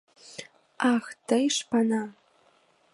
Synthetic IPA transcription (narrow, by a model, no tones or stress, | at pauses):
ɑxt̪əjʃpɑnɑ